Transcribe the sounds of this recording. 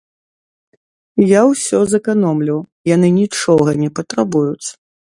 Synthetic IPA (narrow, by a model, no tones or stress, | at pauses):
jawsʲɔzɐkanɔmlʲiw | jan̪ɨnʲit͡ʂɔɣɐnʲɛpɐt̪ɾabujut̪s